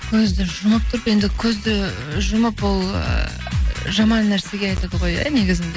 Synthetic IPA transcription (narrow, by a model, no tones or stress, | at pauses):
kʲʰɵzd̪ɪʒʊməp̚t̪ʰʊɾəpje̞nd̪ɪkʲʰɵzd̪ɪ | ʒʊməpwol̰ˠ | ʒɑmɑnːæɾse̞ɡʲe̞ɑjt̪ɑd̪əʁo̞jæ̰neɡʲɪzɪnd̪e